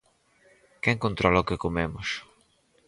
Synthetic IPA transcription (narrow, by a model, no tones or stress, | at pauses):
kɛŋkont̪ɾɔlakekomemʊs